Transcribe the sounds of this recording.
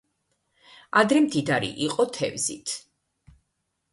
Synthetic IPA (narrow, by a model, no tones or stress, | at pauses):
ad̪ɾɛmd̪id̪aɾḭʔiqʼɔt̪ʰɛ̰vzit̪ʰ